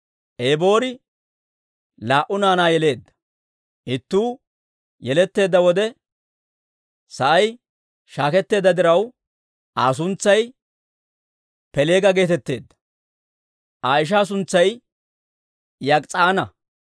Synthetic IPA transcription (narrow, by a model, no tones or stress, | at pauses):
ʔe̞ːbo̞ːɾɪ | laːʔʊnaːnaːjɛle̞ːd̪ːɐ̥ | ʔɪt̪ːuː | jɛlɛt̪ːe̞ːd̪ːɐwɔd̪ɛ | sɐʔɐj | ʃaːkɛt̪ːe̞ːd̪ːɐd̪ɪɾɐw | aːs̬ʊnt͡sːɐj | pɛle̞ːɡɐɡe̞ːt̪ɛt̪ːe̞ːd̪ːɐ̥ | ʔaːɪʃ̬aːs̬ʊnt͡sːɐj | jɐkʼt͡sʼaːnɐ